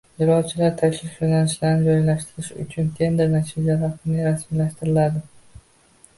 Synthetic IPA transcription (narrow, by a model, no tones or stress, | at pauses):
jɪɾɒd̪̚t͡ʃʰɪlaɾt̪ʰakʲlɪonanɪʃlaɾnɪd͡ʒɒjlaʃt̪ɪɾɪʃʊ̰t͡ʃʰʊnt̪ʰe̞nd̪ɪɾnat̪ʰid͡ʒalafɪnɪɾasmilaʃt̪ɪɾɪlad̪ɪ